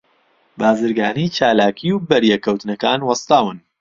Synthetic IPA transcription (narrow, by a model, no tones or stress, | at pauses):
baːzɨɾɡaːnit͡ʃaːlaːkʰiuwbɐɾjɛkʰːɐwt̪nɐkaːnwɐst̪aːwɨn